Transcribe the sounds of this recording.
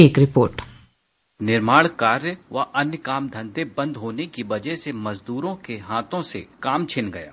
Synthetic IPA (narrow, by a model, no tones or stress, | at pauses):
eːkɾɪpoːɾʈ | nɪɾmaːɽkaːɾjəʋɐʔɐnjəkaːmd̪ʱɐ̃nd̪ebɐ̃nd̪ʱɦoːnekiʋɐd͡ʒɛɦsemɐzd̪uːɾõkeɦaːt̪ʰõsḛkaːmt͡ʃʰɪnɡɐja̰ː